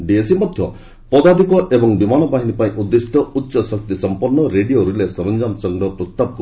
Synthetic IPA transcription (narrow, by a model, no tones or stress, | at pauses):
ɖiesimɔd̪ʱjɔ | pɔd̪ad̪ikɔʔebɔŋbimanɔbaɦinipaĩʔud̪ːesiʈ̪ɔutːʃɔsɔk̚t̪isɔmpɔnːɔɾeɖijoɾilesɔɾɔnd͡ʒamsɔŋɡɾɔpɾɔst̪abɔku